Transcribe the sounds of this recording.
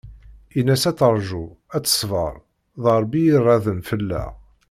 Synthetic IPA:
inːæsæt͡səɾˤʒuæt͡sːə̥sˤvə̰ɾˤ | ðˤəɾˤbijirˤːɑðənfəlːæ̰

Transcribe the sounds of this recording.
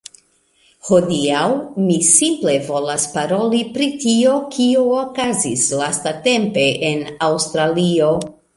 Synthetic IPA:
ho̞diawmisimple̞vo̞laspaɾo̞lipɾitio̞kioːkazislastate̞mpe̞ʔenawstɾalio̞

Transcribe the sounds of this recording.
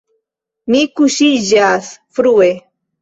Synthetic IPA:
nikuʃiʒasfɾue

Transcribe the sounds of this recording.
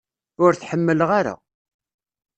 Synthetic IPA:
ʊɾθħəmːəlʁaɾa̰

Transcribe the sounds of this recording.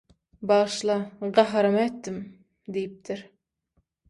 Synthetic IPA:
bɑʁʃlˠɑʁɑɦɑɾɑmet̪ːɪm | d̪ejip̚t̪ʰɪɾ

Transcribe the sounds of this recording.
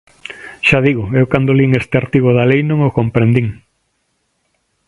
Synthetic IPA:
ʃaðiɣʊewkand̪oliŋest̪eaɾt̪iɣoðalejnõŋokompɾend̪iŋ

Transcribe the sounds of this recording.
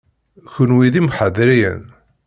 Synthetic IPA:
çʊnwiðimħəðɾijə̰n

